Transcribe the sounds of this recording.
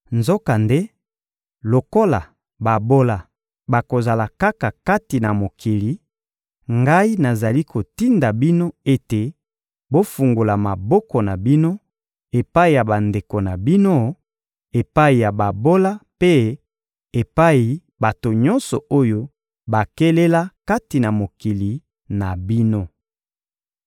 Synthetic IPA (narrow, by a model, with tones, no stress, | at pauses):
nzo˦ka˨nde˦ | lo˨ko˦la̰˨ | ba˨bo˦la˨ | ba˨ko˨za˨la˨ka˦ka˨ka˦ti˨na˨mo˨kʰi˨li˨˦ | ŋɡa˦i˦na˨za˨li˦ko˨ti˦nda˨bi˦no˦e˦te˨ | bo˦fu˨ŋɡo˨la˨ma˨bɔ˦kɔ˨na˨bi˦no˦ | e˨pa˦i˨ja˨ba˨nde˨ko˨na˨bi˦no˦ | e˨pa˦i˨ja˨ba˨bo˦la˦pe˦ | e˨pa˦i˨ | ba˨to˨ɲɔ˦nsɔ˨o˦jo˦ | ba˨ke˦le˦la˦ka˦ti˨na˨mo˨ki˨li˨ | na˨bi˦no˦